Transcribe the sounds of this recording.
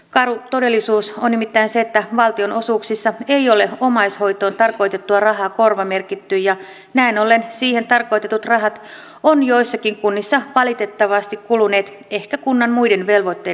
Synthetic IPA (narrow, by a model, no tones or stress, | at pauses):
kɑɾut̪o̞de̞lːisuːsonːnimit̪ːæinseːt̪ːæʋɑlt̪io̞nʔo̞suːksisːɑejo̞le̞o̞mɑjsho̞jt̪o̞ːnt̪ɑrko̞jt̪e̞t̪ːuɑrɑɦɑːko̞rʋɑme̞rkit̪ːyjjɑ | næino̞lːensiːhe̞nt̪ɑrko̞jt̪e̞t̪ut̪rɑɦɑt̪ | onjo̞isːɑkiŋkunːisːɑʋɑlit̪e̞t̪ːɑʋɑst̪ikkulune̞ːt̪ | e̞hkækunːɑnmuide̞nʋe̞lʋo̞t̪ːe